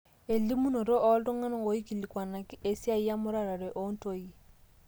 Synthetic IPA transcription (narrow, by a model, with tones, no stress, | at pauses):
e˨li˦mu˦no˨ɾo˦ʔɔ˦ldo˦ŋa˦na˦˨wo˨˦i˦ki˨li˨kwa˨na˨ke˦sja˦i˦a˦mʊ˦ɾa˦ɾa˨ɾɛ˨ʔo˦n˦to˦i˦˨